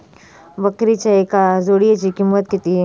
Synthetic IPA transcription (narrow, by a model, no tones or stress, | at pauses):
bəkɾit͡ʃaekazoɽijet͡ʃikimːət̪̚kit̪i